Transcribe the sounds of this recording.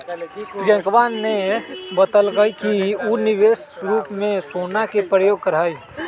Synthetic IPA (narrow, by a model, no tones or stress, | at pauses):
pɾjə̃kʋaːnːebət̪əlɡəikiunɪʋeːsɾuːpmẽsoːnakepɾəjoːɡ̚kəɾaːi